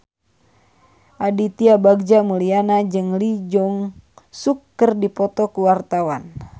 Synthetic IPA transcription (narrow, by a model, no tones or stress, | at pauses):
ʔadit̪iabaɡ̚d͡ʒamulianad͡ʒɨŋlid͡ʒɔŋsukːərdipɔt̪ɔkuwart̪awan